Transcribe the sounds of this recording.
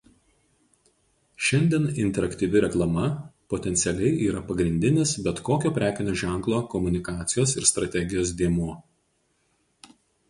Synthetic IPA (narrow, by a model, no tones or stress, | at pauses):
ʃʲɛnʲd̪ʲiɛnɪnʲt̪ʲɛɾɐkt̪ʲiːʋʲɪɾʲɛklˠɐmɐpot̪ʲɛnt̪sʲɛlʲɛɪʔiːɾɐpɐɡɾʲɪnʲd̪ʲɪnʲɪsbʲɛt̪koːkʲoːpʲɾʲæːkʲɪnʲoːʒʲæˑŋklˠoːkɔmʊnʲɪkɑːt̪sʲɪjoːsɪ̰ɾst̪ɾɐt̪ʲɛɡʲɪjoːs̬d̪ʲiɛmuː